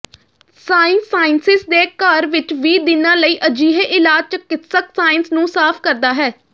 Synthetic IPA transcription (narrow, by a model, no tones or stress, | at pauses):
saːɪnsaːɪnsɪsd̪eːkaːɾʋɪt͡ʃʋiːd̪ɪnãːləiːʔəd͡ʒiːɦeʔɪlaːd͡ʒt͡ʃəkɪt̪səksaːɪnsnũːsaːpʰkəɾd̪aːɦɛː